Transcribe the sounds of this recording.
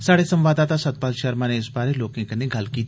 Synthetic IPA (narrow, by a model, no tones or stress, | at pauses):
saːɽesə̃mʋaːd̪aːt̪aːsɐt̪̚paːlʃəɾmãːneɪsbaːɾeloːkẽkɐnẽɡʱɐlkiːt̪ː